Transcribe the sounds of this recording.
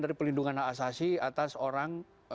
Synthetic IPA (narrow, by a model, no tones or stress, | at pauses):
daɾipəlinduŋanaːsasiat̪asoɾaŋ